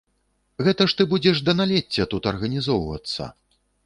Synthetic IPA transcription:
ɣɛt̪ɐʂt̪ɨbud͡zʲɛʂd̪ɐnalʲɛt͡sʲːɐt̪ut̪ɐrɣɐnʲizɔwvɐ̰t̪sːɐ̰

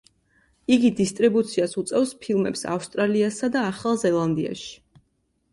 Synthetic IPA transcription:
iɡid̪ist̪ʼɾibut̪sʰiasut̪sʼɛvspʰilˠmɛ̰psa̰fst̪ʼɾaliasad̪aːχalˠzɛlˠand̪ia̰ʃi̥

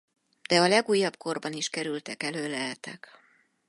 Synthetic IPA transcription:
d̪̥ɛɒlɛɡuːjːɒb̥ko̞rbɒniʃkɛɾylt̪ɛkɛløːlɛɦɛt̪ɛk

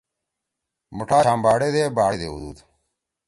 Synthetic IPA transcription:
muʈʰaːãːmbaːɽeːd̪eːbaːd̪ḛːṵd̪ṵːd̪

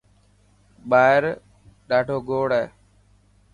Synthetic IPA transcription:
ɓaːɪɾ | ɗaːɖʱoːɡoːɽɛː

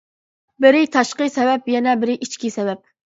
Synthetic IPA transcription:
bɪɾɪt̪ʰɑʃqɨsɛbɛpjɛnɛbɪɾɪʔit͡ʃkʲisɛbɛp̚

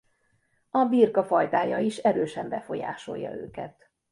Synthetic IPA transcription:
ɒbirkɒfɒjt̪aːjɒiʃɛɾøːʃɛmbɛfo̞ja̰ːʃo̞jːɒ̰øːkɛt̪

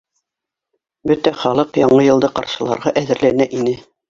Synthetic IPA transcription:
bɵt̪æχɑlˠɤqjɑɴɤjɤ̆lˠd̪ɤqɑɾʃɤ̆lˠɑ̰ɾʁɑʔæðɘ̆ɾlænæʔinɘ

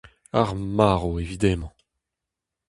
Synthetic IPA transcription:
aʁmaːʁoevid̪emɑ̃

